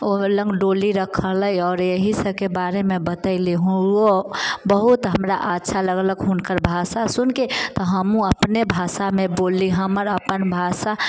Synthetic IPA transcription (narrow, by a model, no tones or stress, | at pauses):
olə̃ŋɡɖoːliɾəkʰələiɔːɾjəɦisəb̚kebaːɾemẽbət̪əɪliɦũɡobəɦut̪ɦəmɾa̰ʔətːʃʰaləɡləɡɦʊnkəɾbʱasasunket̪ɔɦəmũəpnebʱaːsamẽboːliɦəməɾəpənbʱasa